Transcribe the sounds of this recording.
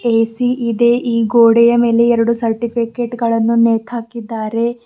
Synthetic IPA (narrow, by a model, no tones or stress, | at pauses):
eːsiʔid̪e̞ʔiːɡoːɽɛjɐme̞ːle̞ɛɾɐɽusɐɾʈipʰikeʈɡɐɭɐnːuneːt̪ʰaːkid̪ːaːɾe̞